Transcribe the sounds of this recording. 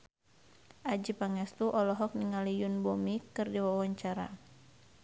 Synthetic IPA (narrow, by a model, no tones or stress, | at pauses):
ʔad͡ʒipaŋɛst̪uʔɔlɔɦɔk̚niŋalijunbɔmikɨrdiwawaɲt͡ʃaɾa̰